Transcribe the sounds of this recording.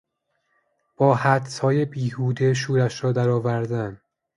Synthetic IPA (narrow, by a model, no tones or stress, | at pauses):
b̥ɒːhæd̪shɒːje̞biːhuːd̪eʃ̬uːɾæʃɾɒːd̪æɾɒːvæɾd̪æn